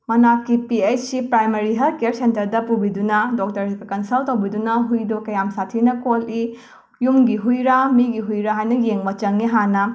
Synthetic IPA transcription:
mɐnakːipiejt͡ʃsipɾajmɐɾiɦɐlkeɾsentɐɾdɐpubidunɐdok̚tɐɾsiɡɐkɐnsɐltːɐwbidunɐɦujdokɐjamsatʰinɐkoli | jumɡiɦujɾamiɡiɦujɾaɦajnɐjeŋbɐt͡ʃɐŋiɦanɐ

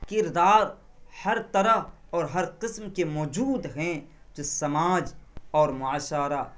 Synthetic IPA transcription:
kɪɾd̪aːɾ | hɐɾt̪ɐɾəɔːɾɦɐɾqɪsmkemɔːd͡ʒuːd̪ɦɛ̃ | d͡ʒosɐmaːd͡ʒɔːɾmʊaːʃaːɾa

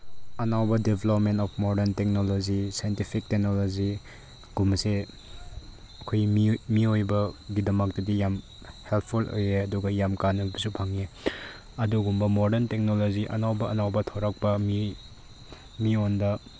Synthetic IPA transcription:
ɐnawbɐdebʱelop̚mentɔpʰmoɾdentek̚nolozisajntipʰik̚tek̚nolozi | ɡ̥umse | ɐkʰojmimiojbɐɡidɐmɐk̚tɐdijam | helt̚ʰpʰulo̰jeɐduɡɐjamkanɐbɐsupʰaŋe | ɐduɡumbɐmodentek̚noloziʔɐ̰nawbɐɐnawbɐtʰoɾɐk̚pɐmi | miondɐ

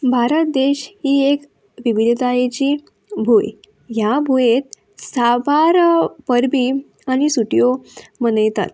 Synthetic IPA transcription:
bʱaɾət̪̚d̪eɕhiːek | ʋiʋid̪ʱt̪ajet͡ɕiː | bʱuj | jabʱujet̪̚ | sabʱaɾpəɾbʱiː | añisuʈijomənəjt̪a̰t̪

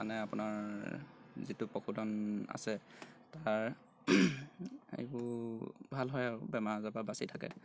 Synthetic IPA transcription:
anɛapʊnaɹ | zitʊpɔkʰudɔna̰sɛtaɹ | ḛjbʊbʱalɦɔjabɛmaɹazababasitʰakɛ̰

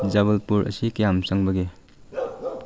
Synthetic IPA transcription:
zaβɐlpuɾʔɐ̰sikejamsaŋbɐɡe

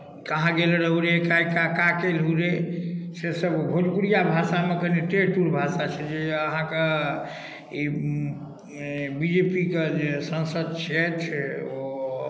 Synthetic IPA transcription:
kəɦãɡelɾəɦuɾekajkakakelɦuɾesesəbɡʱolkuɾijabʱasamekəneʈeʈuɾbʱasat͡ʃʰɛd͡ʒeəɦãke | i | bid͡ʒepiked͡ʒesə̃nsəd̪̚t͡ʃʰɛt͡ʃʰɛo

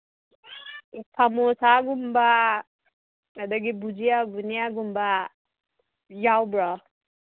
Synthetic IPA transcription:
sʰamosaɡumba | ad̪aɡibud͡ʒijaɡunijaɡumba | jawbɹa

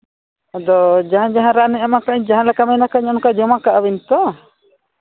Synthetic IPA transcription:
d̪ɔd͡ʒaɦãd͡ʒaɦãɾanɛamakaɲd͡ʒaɦãlɛkamɛnakaɲɔnkad͡ʒɔmakaʔawint̪ɔ

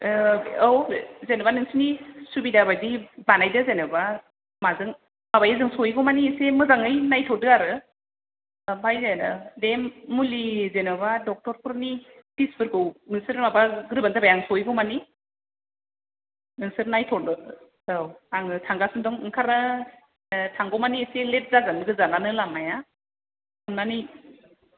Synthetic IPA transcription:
ɯwzenɯbanɯŋsɯnisubidabajdibanajdɯzenɯba | mazɯŋ | mabajazɯŋsɔjɡɔmanisemɯzaŋɯjnajtʰɔdɯaɾɯ | bajzenɯdemːulizenɯbadɔk̚tɔɾpʰuɾnitisbɯɾɡɯwminisɯɾmabaɡɯɾɯbanabajaŋsɔjɡɔwmani | minisɯɾnajtʰɔɾdɯ | awaŋɯtʰaŋɡasɯndɔŋɯŋkʰaɾnɯ | tʰaŋɡɔmaniselet̚zaɡanɯɡɯzananɯlamaja | amnani

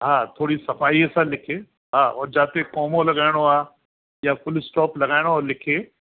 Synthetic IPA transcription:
ɦãːt̪ʰoːɽisɐfaːiɛsãlɪkʰeː | ɦãːɔ̰ːɾd͡ʒaːt̪ekɔːmõlɐɡaːɪɽ̃oaː | jãfʊlsʈɔːplɐɡaːɪɽ̃oɔːɾlɪkʰeː

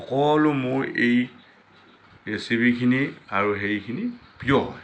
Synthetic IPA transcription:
ɔkɔlʊmʊɹej | esibikʰiniaɹuxeɹikʰinipijɔɦɔj

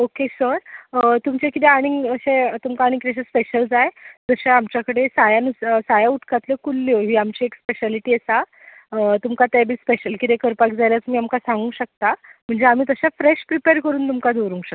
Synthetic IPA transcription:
okesəɾt̪umt͡ɕekit̪eaɽ̃iŋəɕet̪umkaːɽĩŋkit̪eɕẽspeɕəld͡zajd͡zəɕaamt͡ɕjakəɽesajanussajauʈkat̪lekulːijoɦiːamt͡ɕiːekspeɕaliʈiːəsa | t̪umkat̪ebʱiːspeɕəlkit̪ekəɾpakd͡zajljat͡smiːamkasãŋɡũːɕək̚t̪am̤əɳd͡zeam̤iːt̪əɕafɾeɕpɾipeɾkəɾuːnt̪umkad̪eʋɾũŋɕək̪̚

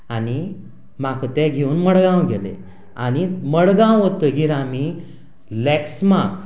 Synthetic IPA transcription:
ani | makət̪ɛ̃ɡʱeuːnməɽɡãwɡʱelḛ | añiməɽɡãwʋət̪əɡiɾami | lɛksmak

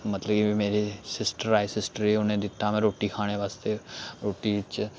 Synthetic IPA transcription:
mət̪ləbkiimeːɾisɪsʈəɾaːesɪsʈəɾeʊnẽd̪ɪt̪ːamɛ̃ɾoːʈikʰaːɽ̃eʋaːst̪eɾoːʈit͡ʃ

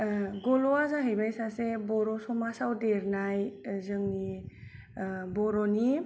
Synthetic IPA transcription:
ɡɔlɔazaɦɯjbajsasebɔɾɔsɔmasawdeɾnajzɯŋni | bɔɾɔni

